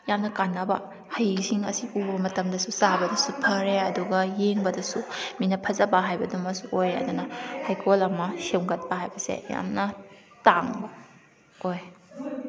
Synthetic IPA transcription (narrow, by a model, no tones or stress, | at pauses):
jamnɐkanːɐbɐ̰ | hɐjsiŋɐ̰siʔubɐɐmɐtɐmdɐsusabɐdɐsupʰɐɾeɐduɡɐjeŋbɐdɐsuminɐpʰɐzɐbɐɦajbɐdumɐsuʔojɐ̰d̪unɐhajkʰolɐmɐsewɡɐt̚pɐɦajbɐsḛja̰mnɐ | taŋbɐ | oj